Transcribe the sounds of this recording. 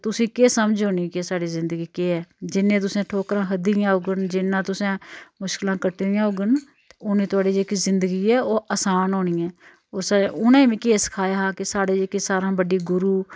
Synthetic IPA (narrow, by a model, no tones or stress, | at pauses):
t̪ʊsĩːkeːsəmd͡ʒoːniːkeːsaːɖiːzɪ̃nd̪əɡiːkeːɛːd͡ʒɪnːẽːt̪̬ʊsẽːʈʰoːkɾãːɦəd̪ijãːɦoɡənd͡ʒɪnːãːt̪ʊsẽːmʊʃkɪlãːkəʈːd̪ɪjãːɦoɡən | t̪eʊnẽːt̪ʊaːɖiːd͡ʒeːkiːzɪnd̪əɡiːɛːoːʔəsaːnɦoːniːɛ̃ː | oːɾsaʊnẽmẽːkeːskʰaːjaːɦaːkɪsaːɽeːd͡ʒeːkiːsaːɾãːbəɖiːɡʊɾuː